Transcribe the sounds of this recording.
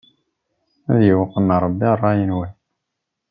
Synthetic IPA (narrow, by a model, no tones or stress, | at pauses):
æðjəwəqːənːɑɾˤəbːirˤːɑjənwæ